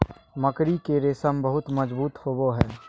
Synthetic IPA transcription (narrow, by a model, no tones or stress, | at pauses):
mɐkɾikeɾɪsəmbəɦʊt̪mɐd͡ʒbuːt̪hoːboɦɛː